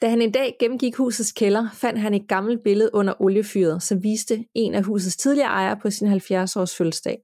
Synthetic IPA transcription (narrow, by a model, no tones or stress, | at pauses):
d̥æhæne̝nd̥ɛ̰ːɡ̥emm̩ɡ̥iɡ̥hṵːsð̩ˠskʰelɐfæn̰d̥ɦæne̝d̥ɡ̥ɑ̈ml̩d̥̚b̥e̝ləð̞̩ˠʔɔ̽n̰ɐʔɔ̽ljəfy̰ːɐð̞̩ˠsɒ̽mʋiːsd̥əe̝næɦṵːs̬ð̩ˠst͡sʰið̞ˠliɐːʔɑ̈ɪɐpʰɒ̽sinɦælfjæɐsɒ̰ːsfølsd̥ɛ̰ː